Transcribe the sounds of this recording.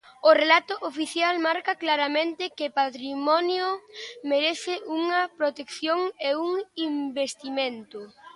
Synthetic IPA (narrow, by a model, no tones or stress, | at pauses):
ʊrelat̪ʊʔofiθjalmaɾkɐklaɾamẽnt̪ɪkɪpat̪ɾimɔnjomeɾeθɪʔuŋɐpɾot̪ekθjoŋeuŋimbest̪imẽnt̪ʊ